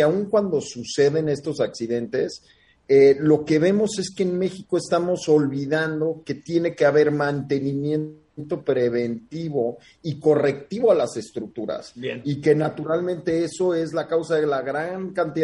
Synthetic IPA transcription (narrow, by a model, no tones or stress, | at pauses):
auŋkwand̪o̞suse̞ðe̞ne̞st̪o̞saksiðe̞nt̪e̞s | elo̞ke̞βe̞mo̞se̞skeːnme̞xiko̞est̪amo̞so̞lβiðand̪o̞ke̞t̪je̞ne̞ke̞aβe̞ɾmãnt̪e̞nĩmje̞n | nt̪o̞pɾe̞βe̞nt̪iβ̞o̞ | iko̞re̞k̚t̪iβ̞o̞alase̞st̪ɾuk̚t̪uɾa̰sike̞nat̪uɾalmẽnt̪e̞eso̞e̞zlakawsaðe̞laɣɾaŋkant̪ið